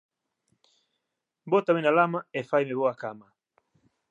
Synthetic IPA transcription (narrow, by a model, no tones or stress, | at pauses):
bɔtaminalamaɛfaimɛβɔakama